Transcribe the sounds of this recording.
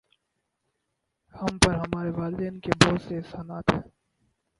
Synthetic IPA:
hɐmpɐɾɦɐmaːɾeʋaːlɪd̪ẽːnkebɔːt̪seːɦsaːnaːt̪ɦɛ̃ː

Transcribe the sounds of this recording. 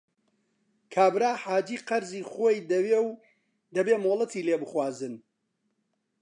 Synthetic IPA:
kʰaːbɾaːħaːd͡ʒiːqɐɾziːχojd̪ew | d̪ɐbeːmoːlˠɐt̪ʰiːleːbɨχwaːzɨn

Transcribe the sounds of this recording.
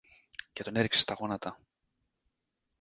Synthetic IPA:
ce̞t̪o̞ne̞ɾikse̞st̪ɐɣo̞nɐt̪ɐ

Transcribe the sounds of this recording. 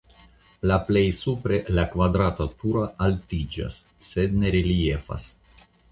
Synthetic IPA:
laplejsupɾelakvad̪ɾat̪at̪uɾaʔalt̪id͡ʒa̰sː | ed̪neɾiliefa̰s

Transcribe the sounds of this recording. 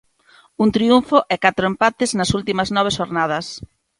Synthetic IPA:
unt̪ɾiuɱfoʔɛkat̪ɾoempat̪ɪznɐsult̪imɐznɔβ̞eʃoɾnað̞ɐs

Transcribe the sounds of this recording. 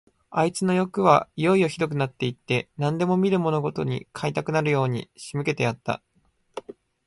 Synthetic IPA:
ait͡sɨno̞jo̞kɯ̟β̞aijo̞io̞çid̪o̞k̬ɯ̟nat̪ːe̞it̪ːe̞nãnd̪e̞mo̞mʲiɾɯ̟mo̞no̞ɡo̞t̪o̞ɲ̟ḭkʰait̪akɯ̟naɾɯ̟jo̞ːɲ̟ḭɕimɯ̟ke̞t̪e̞jat̪ːa̰

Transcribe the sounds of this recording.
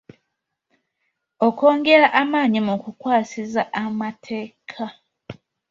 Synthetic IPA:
oko̞ːŋɡe̞ɾaʔamaːɲimukukwaːsizaʔamatʰe̞ːkʰa

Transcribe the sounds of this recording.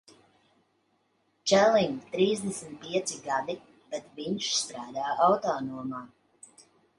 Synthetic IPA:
t͡ʃɛliŋt̪ɾiːzd̪ɛsmit̪̚piɛt̪siɡad̪i | b̥ɛt̪viɲʃst̪ɾaːd̪aːawt̪ɔːnuɔmaː

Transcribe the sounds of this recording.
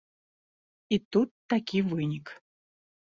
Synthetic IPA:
it̪ut̪ːakʲivɨnʲik

